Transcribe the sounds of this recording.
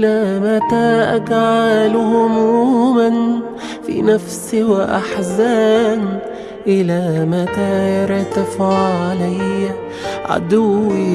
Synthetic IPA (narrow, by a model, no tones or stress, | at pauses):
ʔlæmæt̪æʔæɡʕalhʊmuːman | fḭnæfsɪwɪʔa̰ħzaːm | ʔɪlæːmæt̪ajɑɾˤt̪ɪfʕʕalæjː | ʕa̰d̪ʊwi